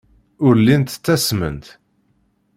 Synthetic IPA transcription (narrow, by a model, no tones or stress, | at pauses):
ʊɾlint̪t͡sːæsmə̰nt̪